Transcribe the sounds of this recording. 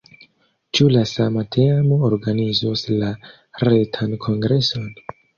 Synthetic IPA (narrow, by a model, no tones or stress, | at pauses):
t͡ʃulasamatʰemoːɾɡanizosla | ɾetʰankʰo̞ŋɡɾe̞son